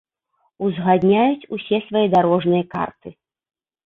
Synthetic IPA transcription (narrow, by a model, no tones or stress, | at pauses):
uzɣad̪ʲnʲajut͡sʲusʲɛsvajɛd̪aɾɔʐnɨjɐka̰rt̪ɨ